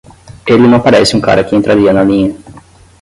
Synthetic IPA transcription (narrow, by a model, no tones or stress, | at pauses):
elɪnɐ̃ɐpaɾɛsɪũka̰ɾɐkɪẽnt̪ɾaɾiɐnɐlĩɲɐ